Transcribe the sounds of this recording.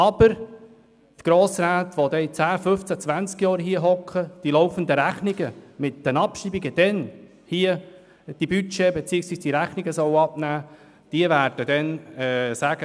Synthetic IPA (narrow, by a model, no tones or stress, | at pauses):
ɑbəɾ | t̪ɡ̥ɾoːsɾaːt̪ʋod̪ɛɪt͡sæːfʏft͡sæt͡sʋænt͡skjɑːɾɦiəɦɔkχəd̥ilɔʊfənd̪əɾæχnɪɡəmɪtd̥ɛnɑpʃiːbiɡəd̥ɛn | hiə | d̥ibyt͡ʃebet͡siːəksʋiːsd̥iɾæχniɡəsɔwɑpnæː | d̥iəvæɾd̥əd̥ɛnɛsæɡ̥ə